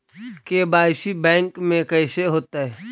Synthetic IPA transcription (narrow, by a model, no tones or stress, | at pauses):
kebaːɪsibɛ̃ːŋkmẽkɛːseɦoːt̪aɦɛː